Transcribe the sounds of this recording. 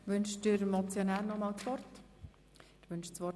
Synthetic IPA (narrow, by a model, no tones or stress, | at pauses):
ʋʏnʃdɪɾmot͡sjonæːɾnɔmɑːlt͡sʋɔrt | ɪʋʏnʃt͡sʋɔ